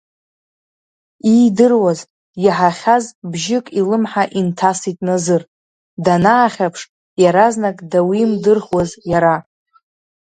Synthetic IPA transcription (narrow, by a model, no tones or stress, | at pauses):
ijdɨrwaz | iħaχʲazbʒɪkʼilɨmħaʔintʰasitʼnazɨr | danaːχʲapʰʂ | jaɾaznakʼdawimdɨrχwazjaɾa